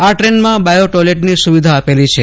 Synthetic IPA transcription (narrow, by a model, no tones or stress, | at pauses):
aʈɾenmãbajoʈoleʈnisuʋid̪ʱaːpelit͡ʃʰe